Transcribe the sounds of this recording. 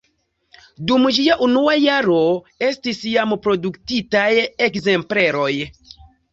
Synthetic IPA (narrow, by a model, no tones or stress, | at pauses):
dumd͡ʒiaʔunuajaɾo̞ | e̞stisjampɾo̞duktitajekze̞mple̞ɾo̞j